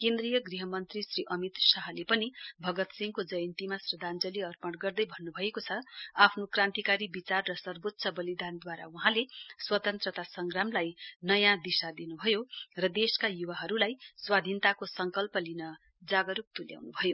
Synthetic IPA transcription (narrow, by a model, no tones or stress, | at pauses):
kend̪rijʌɡriɦʌmʌnt̪risriʔʌmit̪saɦlepʌnibʱʌɡʌt̪sĩŋkod͡zʌjʌnt̪imasrʌd̪ʱand͡zʌliʌrpʌɽɡʌrd̪ʌjbʱʌnːubʱʌekot͡sʰʌapʰnokrãnt̪ikaɾibit͡sarːʌsʌrbot̪ːsʰʌbʌlid̪ʱand̪waɾa̰uɦãleswʌt̪ʌnt̪rʌt̪asʌŋɡramlajnʌjãd̪isad̪inubʱʌjorʌd̪eskajuwaɦʌɾulajswad̪ʱint̪akosʌŋkʌlpʌlinʌ | d͡zaɡʌɾuk̚t̪ulja̰wnubʱʌjo